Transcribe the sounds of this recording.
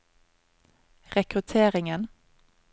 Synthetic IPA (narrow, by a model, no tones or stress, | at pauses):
ʁɛkʁʉt̪ʰeːʁɪŋən